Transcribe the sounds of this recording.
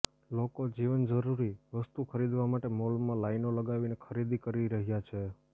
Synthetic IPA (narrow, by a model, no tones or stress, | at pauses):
lokod͡ʒiʋənd͡ʒəɾuɾiʋəst̪ukʰəɾid̪ʋamaʈemolmãlainoləɡaʋinekʰəɾid̪ikəɾiɾəɦjat͡ʃʰe